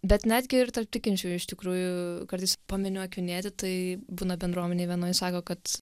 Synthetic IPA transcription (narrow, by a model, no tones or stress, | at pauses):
bʲɛt̪nʲæːd̪ʲɡʲɪɪrt̪ɐlp̚t̪ʲɪkʲɪnʲt͡ʃʲuːjɪʃt̪ʲɪkɾuːjʊkɐɾt̪ɐɪspɐmʲɪnʲʊɐkʲjʊnʲeːt̪ʲɪt̪ɐɪbuːnɐbʲɛnd̪ɾuɔmʲɛnʲeːʋʲiɛnoːjɪsɑːkoːkɐt̪